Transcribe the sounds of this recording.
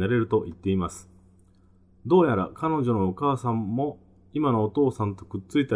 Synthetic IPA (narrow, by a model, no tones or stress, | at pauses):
aɾe̞ɾɯ̟t̪o̞ʔit̪ːe̞imasɨ̥ | d̪o̞ːjaɾa̰kano̞ʑo̞noːkaːsãmːo̞ | imano̞ːt̪o̞ːsãnt̪o̞kɯ̟t͡sɨit̪a